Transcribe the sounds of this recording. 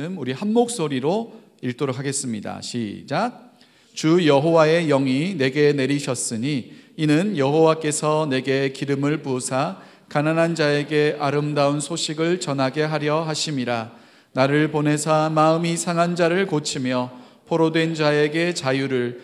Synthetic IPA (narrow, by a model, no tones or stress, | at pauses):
ɯmuɾihanmok̚s͈oɾiɾo | iɭt͈oɾokʰaɡe̞s͈ɯmɲida̰ɕʰḭd͡ʑa | t͡ɕujʌɦowae̞jʌŋine̞ɡe̞ne̞ɾiɕʰʌs͈ɯɲiːnɯnjʌɦowak͈e̞sʰʌne̞ɡe̞kiɾɯmɯɭpusʰa | kananand͡ʑae̞ɡe̞ʔaɾɯmdaunsʰoɕʰiɡɯɭt͡ɕʌnɦaɡe̞ɦaɾjʌɦaɕʰimiɾa | naɾɯɭpone̞sʰamaɯmisʰaŋɦand͡ʑaɾɯɭkot͡ɕʰimjʌ | pʰoɾodwe̞nd͡ʑae̞ɡe̞t͡ɕajuɾɯɭ